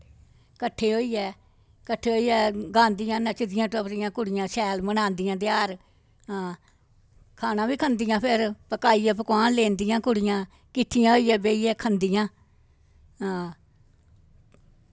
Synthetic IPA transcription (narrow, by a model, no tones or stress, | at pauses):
kəʈʰːeːɦoːiːɛː | kəʈʰːeːɦoːiːɛːɡãːnd̪ɪjãːnət͡ʃd̪ɪjãːʈəpɾɪjãːkʊɽɪjãːsɛːlmənãːnd̪ɪjãːd̪ɪjaːɾ | ãː | kʰaːnãːʋiːkʰənd̪ɪjãːpʰɪɾpəkaːiːaːp̬əkwaːnleːnd̪ɪjãːkʊɽɪjãː | kɪʈʰːɪjãːɦoːiːɛːbeːiːɛːkʰənd̪ɪjãː | aː